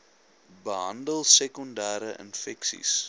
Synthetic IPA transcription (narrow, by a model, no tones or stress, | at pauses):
bəɦɐndəlˠsɛkɔndæːɾəʔə̰nfɛksḭs